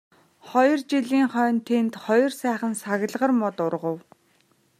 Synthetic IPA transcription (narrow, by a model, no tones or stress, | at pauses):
χɔjɞ̆rt͡ɕiɮiːŋχœːnt̪ʰent̪χɔjɞ̆rsæːχə̆nsaɣʲə̆ɮʁə̆rmʊt̪ʊrʁə̆w